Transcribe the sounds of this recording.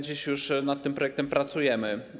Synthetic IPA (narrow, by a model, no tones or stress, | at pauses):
d͡ʑiɕjuʂnat̪ːɘmpɾɔjɛkt̪ɛmpɾat̪sujɛmɘ